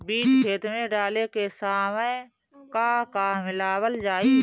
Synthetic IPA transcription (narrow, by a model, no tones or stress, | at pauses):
biːt͡ʃkʰeːt̪mẽɖaːlekesaːmə | kakamɪlaːwəld͡ʒaːiː